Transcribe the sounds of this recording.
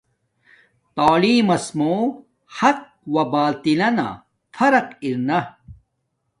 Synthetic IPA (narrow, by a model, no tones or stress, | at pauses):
t̪aːliːmɐsmoː | hɐk̚wɐbaːlt̪ilɐna̰ | fɐɾɐkiɾnɐ